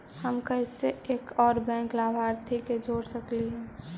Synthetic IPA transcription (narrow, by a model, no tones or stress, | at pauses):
həmkəɪseeːkɔːɾbɛ̃ːŋklabʱaɾt̪ʰiked͡ʒʱoːɽsəkliɦɛ̃